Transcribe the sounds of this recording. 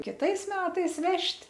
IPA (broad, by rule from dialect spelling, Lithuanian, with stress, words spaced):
kʲɪˈtɐɪs ˈmʲæːtɐɪs ˈʋʲɛʃʲtʲ